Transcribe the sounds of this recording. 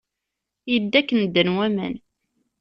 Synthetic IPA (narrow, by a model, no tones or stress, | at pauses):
jəd̪ːækːənd̪ːənwæmə̰n